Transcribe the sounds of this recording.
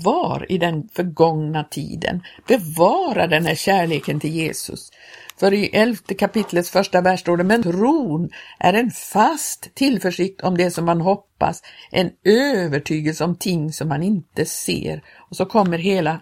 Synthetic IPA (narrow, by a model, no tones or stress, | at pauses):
vɑːɾɪd̪ɛnfœɾɡɔŋnat̪ʰḭːd̪ə̰nb̥ɛvɑːɾaɖɛnhæɾɕæːɭeːkənt̪ʰɪljeːsɵ̰s | fœɾɪʔɛlft̪əkʰapɪt̪ʰlət̪sfœʂʈavæʂʈoːɖəmɛnt̪ʰɾuːnʔæ̰ɾɛnfast̪ʰːɪlfœʂɪk̚t̪ʰɔmd̪ɛsɔmhanɦɔpːa̰sʔɛnøːvəʈʰyːɡəlsəɔmt̪ʰɪŋːsɔmhanɪnt̪əsḛːɾ | ɔsɔkʰɔmːəɾɦeːla